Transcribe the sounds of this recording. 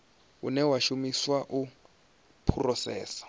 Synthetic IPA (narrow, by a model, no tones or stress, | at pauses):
ṵnɛwaʃumiswaʔu | pʰurɔsɛ̰ːsḁ